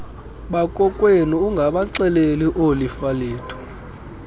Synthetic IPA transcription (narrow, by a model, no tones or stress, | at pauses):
ɓakʼɔkʼweniuŋɡʱaɓaǀɛleliʔolifaliːtʰɔ̥